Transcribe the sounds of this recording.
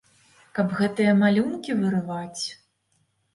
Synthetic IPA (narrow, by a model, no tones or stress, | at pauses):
kɐbɣɛt̪ɨjɐmalʲunkʲivɨɾɨvat͡sʲ